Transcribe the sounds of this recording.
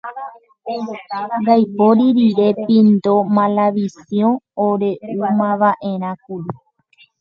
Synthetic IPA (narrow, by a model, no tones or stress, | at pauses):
d̪ajpoɾiɾiɾe̞pĩnd̪o̞mãlaʋisjõoɾe̞umãʋaʔe̞ɾ̃ãkuɾu